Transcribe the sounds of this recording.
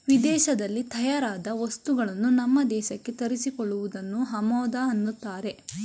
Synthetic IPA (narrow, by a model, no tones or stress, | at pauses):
ʋid̪ɛːʃɐd̪ɐlːit̪ʰɐjaːɾaːd̪ɐʋɐst̪uɡɐɭɐnːunɐmːɐd̪ɛːʃɐkːe̞t̪ɐɾisikɔɭːuʋud̪ɐnːuɦɐmɔːd̪aɐnːut̪ːaːɾe̞